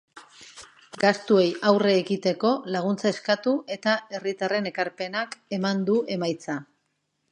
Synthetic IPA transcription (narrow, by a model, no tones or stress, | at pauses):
ɡast̪ue̞jawre̞ːɣit̪e̞ko̞laɣ̞unt͡sae̞skat̪ue̞t̪ae̞rit̪are̞ne̞kaɾpe̞nake̞mand̪uʔe̞majt͡sa